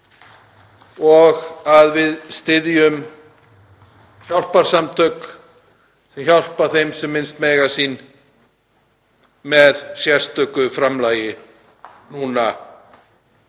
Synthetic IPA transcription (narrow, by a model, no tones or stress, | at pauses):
ɔɣaðvɪðst̪ɪðjʏm | çawl̥paɾ̥samt̪ʰœk | sɛmçawl̥paθejmsɛmːɪnst̪mɛːjɣasiːn | mɛðsjɛ̥st̪œkʏfɾamlaːjɪ | nuna